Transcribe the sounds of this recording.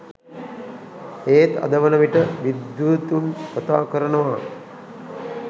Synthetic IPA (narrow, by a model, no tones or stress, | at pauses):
eːt̪ɐ̰d̪əʋənəʋiʈəʋid̪jut̪unkɐt̪a̰ːkəɾənəʋa